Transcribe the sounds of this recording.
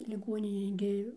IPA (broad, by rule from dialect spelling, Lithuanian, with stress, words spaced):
lʲɪˈɡoːnʲɪnʲeːj ɡʲɪ